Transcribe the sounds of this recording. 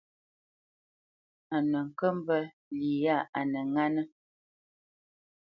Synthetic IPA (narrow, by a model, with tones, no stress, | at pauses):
a˨nə˨ŋ̩˨kə˦m˦bə˦ | li˨ja˦˨a˨nə˨ŋa˦nə˦